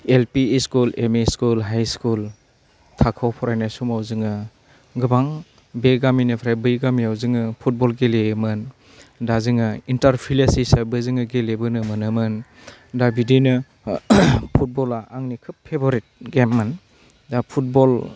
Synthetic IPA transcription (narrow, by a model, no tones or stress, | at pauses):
elpiskulemeskulɦajskul | tʰakʰawpʰɔɾajnasumawzɯŋɯ | ɡɯbaŋ | beɡaminɯpʰɾajbɯjɡamiawzɯŋɯpʰut̚bɔlɡelemɯn | dazɯŋɯintaɾpʰilasisabɯzɯŋɯɡelebɯnɯmɯnɯmɯn | dabidinɯ | pʰut̚bɔlaʔaŋnikʰɯpʰːeboɾit̚ɡemːɯn | dapʰut̚bɔl